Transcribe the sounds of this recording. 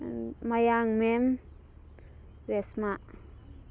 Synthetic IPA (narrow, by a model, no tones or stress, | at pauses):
majaŋmem | ɾesmaʔ